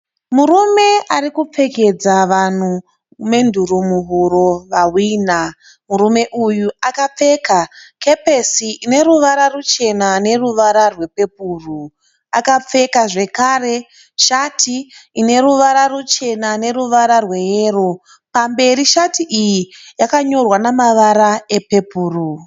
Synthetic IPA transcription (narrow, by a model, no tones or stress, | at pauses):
muɾume̞ʔarikup͡fe̞ked͡zaʋan̤u | me̞ndʱurumuɦuɾoʋawiːna | murume̞ʔujuakap͡fe̞kake̞pesiʔine̞ɾuʋaɾarut͡ʃe̞nane̞ruʋaɾarwe̞pe̞p̚uːru | akap͡fe̞kaʐe̞kare̞ | ʃatʰiine̞ɾuʋaɾarut͡ʃe̞nane̞ruʋaɾarwe̞jeːro̞ | pambe̞ɾiʃatiʔijijakaɲo̞rwanamaʋaɾaepe̞puːru